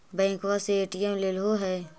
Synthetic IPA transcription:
bɛ̃ːkʋaseeːʈiemleːlɦoɦɛː

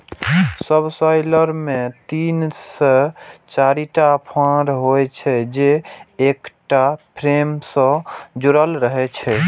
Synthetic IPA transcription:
səbsɔjləɾmet̪inset͡ʃaɾiʈapʰãɾɦojt͡ʃʰɛd͡ʒeːkʈapʰɾemsə̃d͡ʒuɾəlɾəɦɛt͡ʃʰɛ

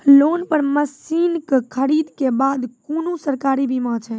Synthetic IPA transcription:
lonpəɾməsinkkʰəɾid̪kebad̪konusəɾkaɾibimãt͡ʃʰɛ

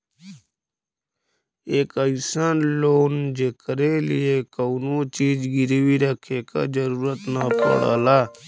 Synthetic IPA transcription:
eːkəisaːnloːnd͡ʒekəɾeːlijeːkəwnõːt͡ʃiːd͡ʒɡiɾʋiːɾəkʰeːka̰ːd͡ʒəɾuːɾət̪naːpə̰ɽa̰ːlaː

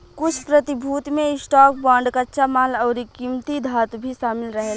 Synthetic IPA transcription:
kʊt͡ʃʰpɾɐt̪ɪbʱuːt̪mẽɪsʈaːk̚bãːɳɖkatːʃamaːlɔːɾikimt̪id̪ʱaːt̪bʱiʃaːmɪlɾəɦe

